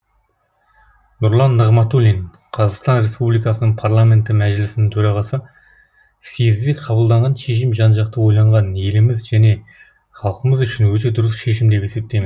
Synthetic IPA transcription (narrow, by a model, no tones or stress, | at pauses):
nʊɾlˠɑnːəʁmɑt̪ulʲin | qʰɑzɑqst̪ɑnɾe̞spublijkɑsənəɴpʰarlˠamʲe̞nt̪ɪmæʒɪlɪsɪnɪŋt̪ʰɵɾɑʁɑsə | sezzeqʰɑβəlˠd̪ɑɴʁɑnʃe̞ʃ̬ɪmʒɑnʒɑq̚t̪əwo̞jlˠɑɴʁɑnje̞lɪmɪzʒæne̞ | χɑlˠəqəməzʏʃɪnwɵt̪̬e̞d̪ʊɾəsʃe̞ʃ̬ɪmd̪e̞pe̞se̞p̚t̪e̞jme